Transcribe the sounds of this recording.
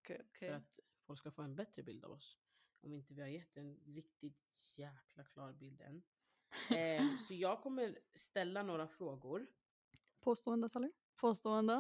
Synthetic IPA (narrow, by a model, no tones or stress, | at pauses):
fœɾat̪ | fɔlkskafoːɛnbɛt̪ɾəbɪld̪a̰vɔs | ʔɔmɪnt̪əvɪhaɾjɛt̪ːɛnɾɪkt̪ɪt̪ | jæːkʰlakʰlɑːɾbɪld̪ɛ̰nː | sɔjɑːɡ̚kʰɔmːəɾst̪ɛlːanoːɾafɾoːɡʊɾ | pʰoːst̪oːɛnd̪əsɛlə | pʰoːst̪oːɛnd̪ə